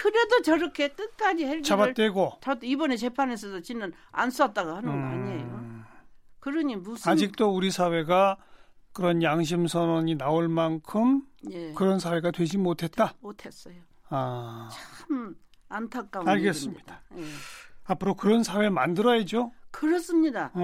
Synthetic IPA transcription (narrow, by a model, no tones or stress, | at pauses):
kɯɾe̞dot͡ɕʌɾʌkʰe̞k͈ɯt̚k͈ad͡ʑihet͡ɕabat͈we̞ɡot͡ɕʌdibʌne̞t͡ɕe̞pʰanesʰʌsʰʌt͡ɕinɯn | a̰ns͈ʌt̚t͈aɡohanɯnɡaɲejo | kɯɾʌɲimusad͡ʑik̚t͈ouɾisʰawe̞ɡa | kɯɾʌnjaŋɕ̬ʰimsʰʌnoɲinaoɭmankʰɯmjekɯɾʌnsʰawe̞ɡadwe̞d͡ʑimotʰe̞t̚t͈amotʰes͈ʌjo | at͡ɕʰamantʰak̚k͈aaɭɡes͈ɯmɲid̥aeapʰɯɾokɯɾʌnsʰawe̞ma̰ndɯɾʌjed͡ʑokɯɾʌs͈ɯmɲida